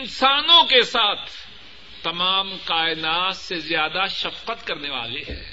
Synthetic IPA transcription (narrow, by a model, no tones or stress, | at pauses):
ɪnsaːnõkesaːt̪ʰː | ɐmaːmkaːɪnaːt̪sezjaːd̪aʃɐfqət̪kɐɾneʋa̰ːleɦɛ̰ː